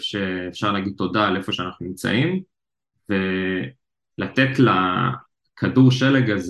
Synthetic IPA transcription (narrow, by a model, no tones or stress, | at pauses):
fʃeːfʃaʁlaɡid̪̚to̞dalefo̞ʃeanaχnunimt͡sa̰ʔim | ve | lat̪et̪la | kʰaduʁʃeleɡaz